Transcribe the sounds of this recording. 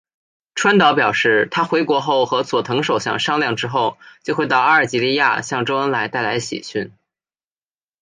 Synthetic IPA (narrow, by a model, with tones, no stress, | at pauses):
ʈ͡ʂʰwa˥nt̪ɑ˧˥ʊpjɑ˨˩ʊʂɻ̩˥˩t̪ʰa˥xwe˧˥ɪkwɔ˧˥xo˥˩ʊxɤ˧˥t͡swɔ˨˩t̪ʰɤ˧˥ŋʂo˨˩ʊɕjɑ̰˥˩ŋʂɑ˥ŋljɑ˥˩ŋʈ͡ʂɻ̩˥xo˥˩ʊt͡ɕjo˥˧ʊxwe˥˧ɪt̪ɑ˥˩a˥˩ə˞˨˩t͡ɕi˧˥li˥˧ja̰˥˧ɕjɑ˥˩ŋʈ͡ʂo˥ʊə˥nla˧˥ɪt̪a˥˩ɪla˧˥ɪɕḭ˨˩ɕy˥˩n